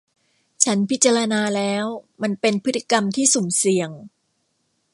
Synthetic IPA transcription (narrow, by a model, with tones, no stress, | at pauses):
t͡ɕʰa˦˥npʰi˦˥t̪̚t͡ɕaː˧ɾa˧naː˧lɛː˦˥wma˧npe˧npʰɯ˦˥t̪ʰːi˨˩ka˧mt̪ʰiː˥˩su˨˩˦msi˨˩əŋ